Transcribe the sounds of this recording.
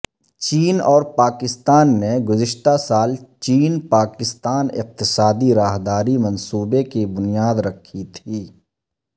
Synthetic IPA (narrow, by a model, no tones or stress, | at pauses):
t͡ʃiːnɔːɾpaːkɪst̪aːnːeɡʊzɪʃt̪asaːlt͡ʃiːnpaːkɪst̪aːnɪ̰q̚t̪ɪsaːd̪iɾaːɦd̪aːɾimɐ̃nsuːbekebʊnijaːd̪ɾɐkʰːit̪ʰiː